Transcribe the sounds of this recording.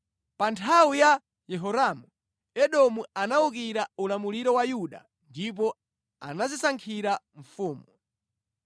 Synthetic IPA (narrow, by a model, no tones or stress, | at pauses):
pantʰawuja | jɛɦɔɾamu | ɛɗɔmuanauk̬iɾaulamuliɾɔwajuɗa̰ | ndip̬ɔ | a̰nazisaŋkʰiɾaɱ̩fuːmu